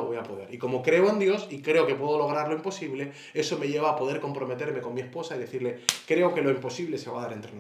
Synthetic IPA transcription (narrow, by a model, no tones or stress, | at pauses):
oβojapo̞ðe̞ɾiko̞mo̞kɾe̞oẽnd̪jo̞sikɾeokepweðolo̞ɣ̞ɾaɾloimpo̞siβ̞le̞ | e̞so̞me̞ʎe̞β̞aːpo̞ðe̞ɾko̞mpɾo̞me̞t̪e̞ɾme̞ko̞nmie̞spo̞saiðe̞θiɾle̞kɾe̞o̞ke̞lo̞impo̞siβle̞se̞β̞aðaɾent̪ɾena